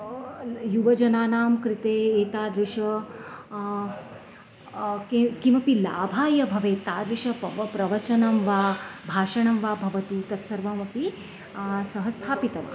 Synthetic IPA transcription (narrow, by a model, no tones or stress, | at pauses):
juʋɐd͡ʒɐnaːnaːmkɾit̪eːt̪aːd̪ɾiʂɐ | kkimɐpilaːbʱaːjɐbʱɐʋeːt̪aːd̪ɾiʂɐpɾɐʋɐt͡ʃɐnɐmʋaːbʱaːʃɐɳɐmʋaːbʱɐʋɐt̪uːt̪ɐt̪sɐɾʋɐmɐpi | sɐɦɐst̪ʰaːpit̪ɐʋa̰